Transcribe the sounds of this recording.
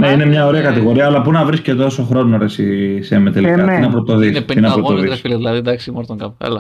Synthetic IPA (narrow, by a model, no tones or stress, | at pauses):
neinemɲɐo̞ɾeɐkɐt̪iɣo̞ɾiɐːlɐpunɐvɾisce̞t̪o̞so̞xɾo̞noɾesisemet̪eliiɐineɐpɾot̪o̞ðisinɐpɾot̪oððislðilɐðid̪ɐksmoɾt̪oŋkɐpl